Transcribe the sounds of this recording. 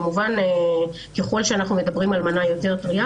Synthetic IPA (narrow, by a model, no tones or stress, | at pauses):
muvane | keχo̞lʃeanaχnume̞dabʁimalmanajo̞te̞ʁtʁia